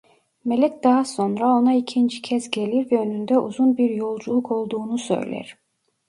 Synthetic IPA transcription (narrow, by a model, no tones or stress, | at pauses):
me̞lʲɛc̚d̪aɦaso̞nɾao̞naicʰind͡ʒicʰɛzɟe̞lʲiɾvɛønynd̪ɛʔuzunbiɾjo̞lˠd͡ʒulˠukʰo̞lˠd̪uːnusø̞̰jlʲæ̰ɾ̥